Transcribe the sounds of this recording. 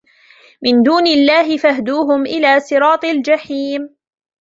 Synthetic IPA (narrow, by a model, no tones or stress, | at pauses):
mɪnd̪uːnɪlːaːɦɪfahd̪uːɦʊmʔɪlaːsɨɾɑːt̪ˤɑld͡ʒaħiːm